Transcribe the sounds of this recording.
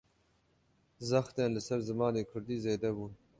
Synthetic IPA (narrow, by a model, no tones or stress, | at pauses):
zaxt̪anlasaɾzəmɑːd̪ekʰʊɾd̪izeːd̪awu